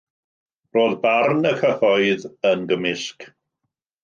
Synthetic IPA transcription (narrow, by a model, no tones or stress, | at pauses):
roːðbarnəkʰəθɔɨðənɡəmɪsk